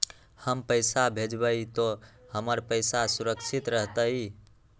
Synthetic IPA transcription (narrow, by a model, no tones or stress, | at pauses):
həmpəɪsabʱed͡ʒbət̪ohəməɾpəɪsasuɾək̚t͡ʃʰit̪ɾəɦt̪əj